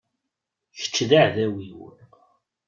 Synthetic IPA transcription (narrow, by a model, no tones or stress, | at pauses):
çə̥t͡sːðaʕðæwiwə̰ɾ